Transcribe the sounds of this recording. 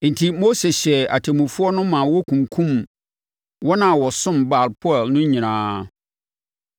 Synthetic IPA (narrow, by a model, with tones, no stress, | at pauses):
n̩˨tʰi˨mo˦se˨ɕɛ˨a̰˨tʰe˨mũ˨fʊ˦ɔ˦nʊ̃˦mã˨wɔ˦kʰũ˨ŋkʰũ˦m | wɔ˦nã˨wɔ˨sʊ̃˦mba˨lpʰɔ˦ɛ˨lnʊ̃˦ɲĩ˨nãː˦